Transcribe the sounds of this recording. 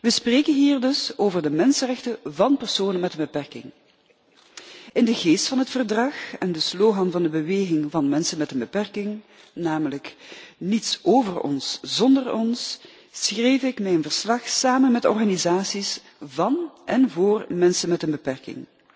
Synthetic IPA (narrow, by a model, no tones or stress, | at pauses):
ʋəspreːkənɦiːrdɵsoːvərdəmɛnsərɛxtəvɑnpɛrsoːnənmɛtənbəpɛrkɪ̰ŋ | ɪndəɣeːstfɑnɦətfərdrɑxɛndəsloːɣɑnvɑndəbəʋeːɣɪŋvɑnmɛnsənmɛtənbəpɛrkɪŋ | naːmələknitsoːvərɔ̰nszɔndərɔns | sxreːjfɪkmɛjənvərslɑxsaːmənmɛtɔ̰rɣanizaːsis | vɑnʔɛnvoːrmɛnsənmɛtənbəpɛrkɪ̰ŋ